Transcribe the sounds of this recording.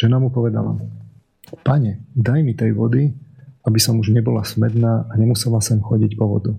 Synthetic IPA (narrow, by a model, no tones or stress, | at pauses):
ʒ̥ɛnamupɔʋɛd̪a̰la̰ | paɲɛd̪ajmit̪ɛjʋɔd̪iabisɔmuʒɲɛbɔlasmɛd̪naːʔaɲɛmusɛlasɔmxɔɟicpɔʋɔ̰d̪u